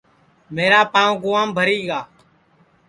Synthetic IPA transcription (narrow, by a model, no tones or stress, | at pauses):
meːɾaːpãːʋɡʊʋaːmbʱəɾiːɡaː